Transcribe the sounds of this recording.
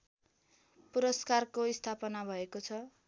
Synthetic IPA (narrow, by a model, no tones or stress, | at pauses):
puɾʌskarkoist̪ʰapʌnabʱʌekot͡sʰʌ